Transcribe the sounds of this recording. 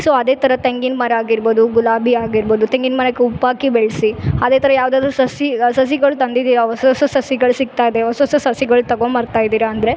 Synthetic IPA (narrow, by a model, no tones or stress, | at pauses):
soːɐd̪eːt̪ʰɐɾɐt̪eŋɡinmɐɾaːɡiɾboːd̪uɡulaːbʱiaːɡiɾboːd̪ut̪eŋɡinmɐnɐkːeupːaːkibeɭsiɐd̪eːt̪ʰɐɾɐjaːʋd̪aːd̪ɾusɐsisɐs̬iɡɐɭut̪ɐnd̪id̪iːɾɐʋɐsɐsɐsɐsiɡɐɭusik̚t̪aːjid̪eʋɐsɐsɐsɐsiɡɐɭut̪ɐɡomɐːɾt̪aːjid̪iːɾɐːnd̪ɐɾe